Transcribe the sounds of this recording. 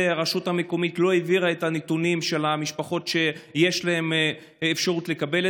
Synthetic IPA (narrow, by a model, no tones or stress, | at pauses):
eaʁaʃuthameko̞mitlo̞eviʁaetanetunimʃe̞lamiʃpaχo̞tʃe̞je̞ʃlahe̞mː | fʃaʁutle̞kabe̞l